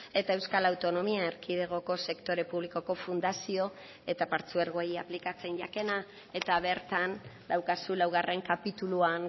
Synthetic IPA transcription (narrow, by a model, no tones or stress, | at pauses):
e̞t̪ae̞wskalawt̪o̞no̞miaeɾkiðe̞ɣ̞o̞ko̞se̞kt̪o̞ɾe̞puβliko̞ko̞fund̪asio̞ | e̞t̪apaɾt͡sueɾɣo̞japlikat͡se̞nʎake̞na | e̞t̪aβ̞e̞ɾt̪and̪awkasulawɣ̞are̞ŋkapit̪uluaŋ